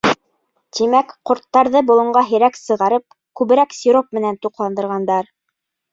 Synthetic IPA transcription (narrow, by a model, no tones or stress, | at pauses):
t̪imækqŏɾt̪ːɑɾðɤbulˠɤ̆ɴɢɑɦɘ̆ɾæksɤ̆ʁɑɾɤp̚ | kʉβɘ̆ɾæksʲiɾop̚mɘ̆nænt̪uqlˠɑnd̪ɤ̆ɾʁɑnd̪ɑɾ